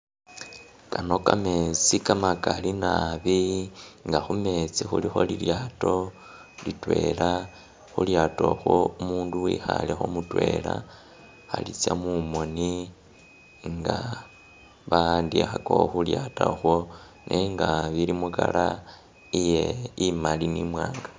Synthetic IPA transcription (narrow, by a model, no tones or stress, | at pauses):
kano̞kame̞t͡sikamakalinaβiŋɡaxume̞t͡sixulixo̞liljato̞ | litwe̞la | xuljato̞xwoumuːnduwiːxalexomutwe̞la | alit͡sjamumo̞ni | ŋɡa | βandiaxakooxuljataxwo | nʔeŋɡaβilimukala | ijeimalinimwaːŋɡa